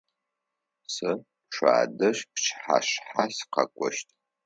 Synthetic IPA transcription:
sɨ | ʂʷa̰ːdɨɕpt͡ʃħa̰ɕħasqɐ̰kʷʼɔʃtʼ

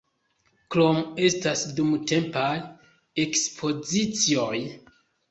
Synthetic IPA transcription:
klome̞stasdumte̞mpaj | ekspʰo̞zit͡sioj

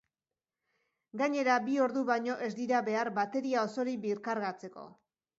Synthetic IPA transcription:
ɡaɲe̞ɾabio̞ɾðuβajɲo̞ʔe̞zd̪iɾaβe̞aɾbat̪e̞ɾiao̞so̞ɾibiɾkaɾɣat͡se̞ko̞̰

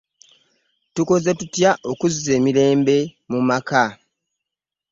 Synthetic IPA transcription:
tuko̞ze̞tutjaʔo̞kuzːe̞ːmile̞ːmbe̞ | mumaka

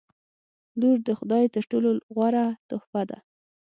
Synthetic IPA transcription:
luɾd̪əxʊd̪ɑjt̪əʈoloɣwaɾat̪ʊhbad̪a̰

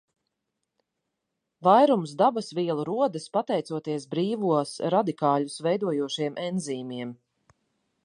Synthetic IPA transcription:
vajɾumsd̪abasviɛlˠuɾuɔd̪ɨspat̪ɛjt̪uɔt̪iɛsbɾiːvuɔsɾad̪ikaːlusvɛjd̪uɔjuɔʃiɛmʔɛnziːmiɛm

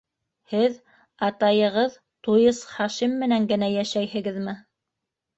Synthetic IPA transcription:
hɘð | ɑt̪ɑjɤ̆ʁɤð | t̪ujɤsχɑʃimːɘ̆næŋɡɘ̆næjæʃæjhɘ̆ɡɘðmɘ

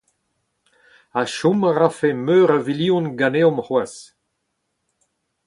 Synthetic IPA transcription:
aʃumaʁafemøːʁaviliũnɡaneɔ̃mhwas

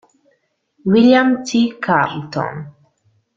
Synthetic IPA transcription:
wiljamtikʰamtɔ̰n

